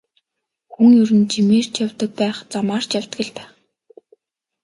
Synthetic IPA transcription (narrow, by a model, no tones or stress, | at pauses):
xuŋjɵɾɘ̆nt͡ɕimeːr̥t͡ɕjawʲt̪ə̆k̚pæːχt͡samaːrt͡ɕjaw̥ʲt̪ɡɘ̆ɮpæːχ